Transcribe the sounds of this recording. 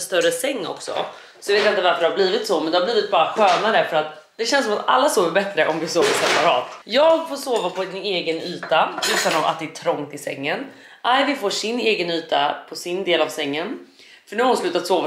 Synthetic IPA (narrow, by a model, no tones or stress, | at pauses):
st̪œɾəsɛŋːɔ̰ksɔ̰ | sɔjaveːt̪ɪnt̪əvaɾfəɖɛhaɾbliːvɪt̪sɔmɛnd̪ɛhabliːvɪt̪̚bɑːɾaɧœːnad̪ɛfœɾat̪ | d̪ɛɕɛnsɔmat̪a̰lːasoːvəɾbɛt̪ɾəʔɔmvɪsoːvəɾsɛpaɾɑ̰ːt̪jɑːɡfoːʂoːvapʰɔɪneːɡənyːt̪aʏt̪ːanɔva̰t̪̚d̪ɛæʈʰɾɔŋt̪ɪsɛ̰ŋːən | ʔajvɪfoːʂɪnːeːɡənyːt̪a̰pʰɔsɪnd̪eːlavsɛŋːən | fœɳʉhaɾʊnslʉ̟ːt̪at̪soːva